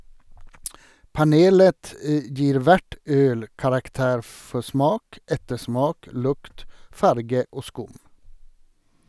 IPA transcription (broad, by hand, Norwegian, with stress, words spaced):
pɑˈneːlət ə ˈd͡ʒiːɾ ˈʋæʈ ˈøːl kɑɾɑkˈteːɾ ˈfɔ ˈsmɑːk ˈɛtəˌsmɑːk ˈlʊkt ˈfɑɾɡə ˈoː ˈskʊm